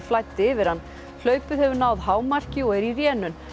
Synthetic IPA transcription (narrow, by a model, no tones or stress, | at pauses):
flaːjt̪ːɪɪːvɪɾ̥hanː | l̥œːɥpʏð̥hɛvʏɾnaːwðɦaːwmar̥cɪɔɣɛɾirjɛːnʏn